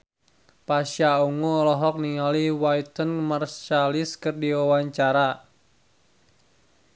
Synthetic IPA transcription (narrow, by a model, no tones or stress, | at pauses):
pasauŋolɔɦɔk̚niŋaliwait̪ənmarst͡ʃaliskɨrdiwawaɲt͡ʃaɾa